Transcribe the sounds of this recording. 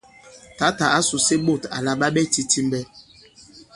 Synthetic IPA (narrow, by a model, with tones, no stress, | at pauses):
ta˨˦ta˨a˦su˨se˦ɓo˦˨ta̰˨la˦ɓa˦ɓɛ˦ti˦ti˦m˦bɛ˦